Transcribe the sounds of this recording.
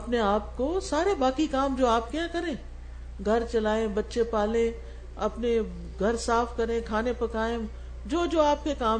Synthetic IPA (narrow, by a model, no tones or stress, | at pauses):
ɐpneaːpkoːsaːɾebaːkikaːmd͡ʒoːaːp̚kɐjãkɐɾẽː | ɡʱɐɾt͡ʃɐlaːẽbɐtːʃepaːlẽ | ɐ̰pne | ɡʱɐɾsaːfkɐɾẽkʰaːnepɐkaːẽ | d͡ʒoːd͡ʒoːaːp̚kekaː